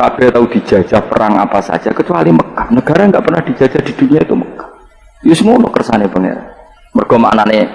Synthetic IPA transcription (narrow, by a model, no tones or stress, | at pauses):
kab̥ɛht̪aud̪̥i̤̥d͡ʒ̥a̤̥d͡ʒ̥ahpə̰ɾaŋa̰pasa̰d̥ʒ̥akət͡ʃualiməkahnəɡ̥aɾaŋɡaʔpərnahd̪̥i̥d͡ʒ̥a̤̥d͡ʒ̥ahd̪̥i̤d̪̥ṳnijait̪uməkḁ | jʊsŋonokərsanebəŋḛɾa̰ | mərɡ̥ɔma̰ʔnane